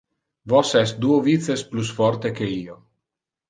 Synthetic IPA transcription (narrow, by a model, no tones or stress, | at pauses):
vɔsɛst̪̚d̪uːovit̪sesplusfɔɾt̪ekeiːo